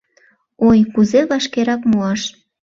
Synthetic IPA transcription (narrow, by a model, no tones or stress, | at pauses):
ojkuzeβɑʃkeɾɑkmuɑʃ